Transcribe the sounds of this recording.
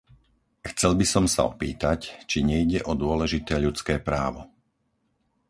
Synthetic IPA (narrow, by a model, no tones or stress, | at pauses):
xt͡sɛlbisɔmsa̰ɔpiːt̪act͡ʃiɲɛiɟɛʔɔd̪ʊɔlɛʒit̪ɛːʎut͡skɛːpɾaːʋɔ̰